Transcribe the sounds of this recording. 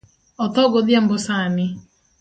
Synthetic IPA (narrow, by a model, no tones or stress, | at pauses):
ɔt̪ɔɡod̪jambosanɪ